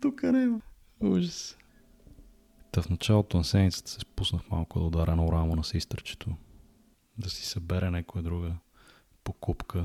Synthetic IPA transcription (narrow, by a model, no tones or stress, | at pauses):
t̪ukənɛ | uʒəs | t̪ɐfnɐt͡ʃalˠot̪onɐsɛd̪mit̪sə̥t̪ə̥sɛspusnəxma̰lˠkʊd̪ɐod̪aɾʔɛnɐʊɾamonɐsist̪ɾət͡ʃɛ̥t̪ʰo | d̪ɐsi̥sɐbɛɾɛnɛkʊjəd̪ɾuɡə | pokupkə